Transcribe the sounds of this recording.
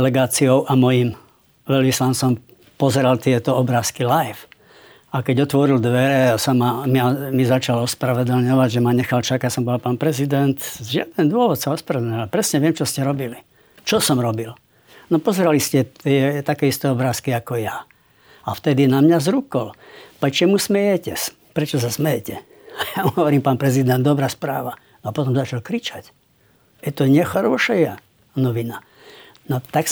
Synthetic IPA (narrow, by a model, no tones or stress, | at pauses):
ɛlɛɡaːt͡siɔʊʔamɔjim | ʋɛʎʋislant͡sɔm | pɔzɛɾalt̪ɪɛt̪ɔɔbɾaːskilajf | akɛɟɔt̪ʋɔɾild̪ʋɛɾɛsamamɪamizat͡ʃalɔspɾaʋɛd̪l̩ɲɔʋaɟʒɛmaɲɛxalt͡ʃakasɔmbɔalpaːnpɾɛzid̪ɛnt̪ʒɪa̰d̪ɛnd̪ʊɔʋɔt̪saɔspɾaʋɛd̪lɲɔʋapɾɛsɲɛʋɪɛmt͡ʃɔscɛɾɔbili | t͡ʃɔsɔmɾɔbil | nɔpɔzɛɾaliscɛt̪ɪɛt̪akɛːist̪ɛɔbɾaːskiakɔja | aft̪ɛd̪inamɲazɾukɔlpɛt͡ʃɛmusmɛjɛcɛs | pɾɛt͡ʃɔs̬asmɛjɛcɛ | ajauɦɔʋɔɾiːmpaːnpɾɛzid̪ɛnd̪d̪ɔbɾaːspɾaːʋa | nɔapɔt̪ɔmzat͡ʃalkɾit͡ʃac | ɛt̪ɔɲɛxaɾɔʃɛja | nɔʋina | nɔt̪aks